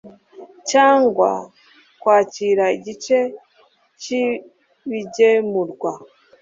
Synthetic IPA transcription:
caːŋɡwa̰ | kwaːciɾaiɟit͡ʃe̞ | ci | βiɟemuɾɡwa

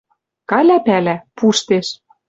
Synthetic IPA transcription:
kɑlʲæpælæpuʃt̪eʃ

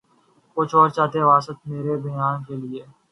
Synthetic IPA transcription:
kʊt͡ʃʰɔːɾt͡ʃaːt̪eʋaːsət̪meːɾebɐjaːnkelɪeː

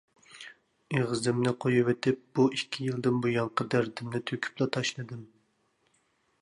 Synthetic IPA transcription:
eʁɨzɪmnɪqʰojiwet̪ʰɪp̚b̥uikʲʰːijilˠd̪ɪnbujɑŋqʰəd̪æɾd̪ɪmnɪt̪ʰøkʲʰy̥plˠɑt̪ʰɑʃlˠɨd̪ɨm

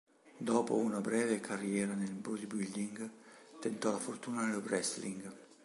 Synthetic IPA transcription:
d̪ɔːpo̰unabɾɛːvekʰarːjɛːɾanelbɾud̪ibild̪iŋɡt̪ent̪ɔlafort̪uːnanelobɾɛsliŋɡ

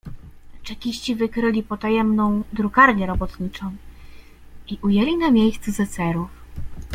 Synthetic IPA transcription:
t͡ʂɛkʲiɕt͡ɕivɘkɾɘlʲipɔt̪ajɛmnɔ̃w̃d̪ɾukaɾɲɛɾɔbɔt̪ɲit͡ʂɔ̃w̃ | iʔujɛlʲinamʲjejst̪suzɛt̪sɛɾuf

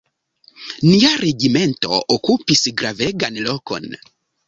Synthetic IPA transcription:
niaɾeɡime̞nto̞̰ʔokupisɡɾaveɡanloko̞̰n

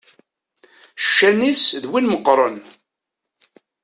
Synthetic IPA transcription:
ʃːænisðwinməqːɾˤən

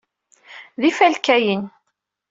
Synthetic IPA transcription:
ðifælkæjin

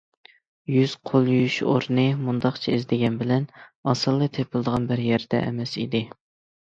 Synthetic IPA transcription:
jyz̥qʰolˠjyjyʃo̰ɾnɨmund̪ɑqt͡ʃʰɛizd̪ɪɡʲɛnbɪlɛnɑsɨlˠːɨt̪ʰepʰɨlˠɨd̪əʁɑnbɪɾjɛɾd̪̥ɛ̰ʔɛ̰mɛsḭd̪ɪ

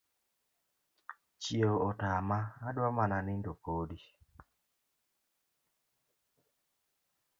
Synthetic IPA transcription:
t͡ʃjoɔtamaadwamananɪndokodi

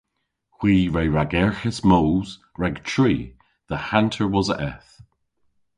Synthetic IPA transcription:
hw̥iːɹɛɹaɡɛɹxɪsmoːz̥ɹɛɡtʰɹ̥iː | ðəhantʰəɹwɔzəʔɛθ

